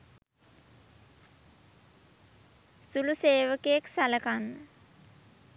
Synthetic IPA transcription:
suluseːʋəkejeksaləkanːə

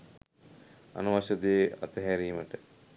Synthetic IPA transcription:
ɐ̰nuʋɐʃɐd̪eːɐ̰t̪ɐɦɛɾiːmɐʈə

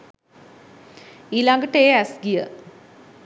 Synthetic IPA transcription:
ilaŋɡəʈːeːæsɡijə

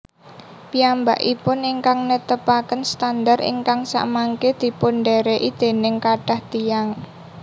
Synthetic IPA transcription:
piamba̰ʔipʊniŋkaŋnət̪əpakənst̪and̪arḭŋkaŋsa̰ʔmaŋked̪̥i̤pʊnɖɛɾeʔid̪̥e̤nɪŋkaɖ̥a̤hd̪̥ijaŋ

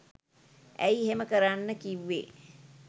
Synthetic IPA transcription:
æ̰jiheməkəɾanːəkiʋːḛː

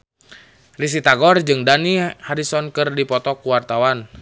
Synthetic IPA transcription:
ris̬it̪aɡɔrd͡ʒɨŋdanihaɾisɔnkɨrdipɔt̪ɔkuwart̪awan

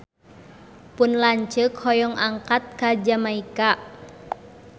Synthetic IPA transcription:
pʊnlaɲt͡ʃəkhɔjɔŋʔaŋkat̪̚kad͡ʒamaika

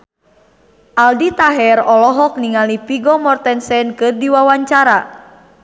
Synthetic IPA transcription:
ʔaldit̪aɦɛɾɔlɔɦɔk̚niŋalipiɡɔmɔrt̪ɛnsɛnkɨrdiwawaɲt͡ʃaɾa

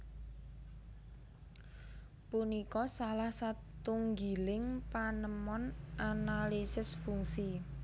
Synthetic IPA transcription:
punikɔsalahsat̪uŋɡilɪŋpanəmɔnʔanalisɪsfuŋsi

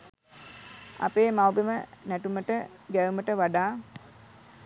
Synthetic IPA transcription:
a̰peːmawbimənæʈuməʈəɡæjuməʈəʋaɖaː

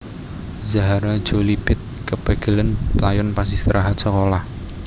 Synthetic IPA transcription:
zaɦaɾad̥ʒ̥o̤lipɪt̪̚kəb̥a̤ɡ̥ə̤lənpəlajʊnpasist̪ɾʔaɦat̪̚səkolah

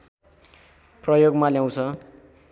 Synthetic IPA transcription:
prʌjoɡmaljaw̃t͡sʰʌ

